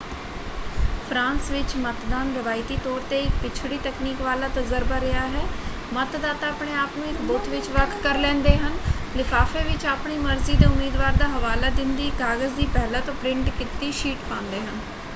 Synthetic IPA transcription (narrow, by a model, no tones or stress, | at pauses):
pʰɾãːnsʋɪt͡ʃmət̪d̪aːnɡəʋaːit̪iːt̪ɔːɾt̪eːɪk̚pɪt͡ʃʰɽiːt̪ɛːkniːkʋaːlaːt̪əzəɾbaːɾɪaːɦɛː | mət̪d̪aːt̪aːəpɳeːaːpnõːɪkbʊt̪ʰʋɪt͡ʃʋəkʰkəɾlɛ̃ːnd̪eːɦənlɪfʰaːfeːʋɪt͡ʃaːpɳiːməɾziːd̪aːʊmiːd̪ʋaːɾd̪aːɦəʋaːlaːd̪ɪnd̪iːkaːɡəzd̪iːpɛːlaːt̪õːpɾɪ̃ɳʈkɪt̪ːiːʃiːʈpãːnd̪eːɦən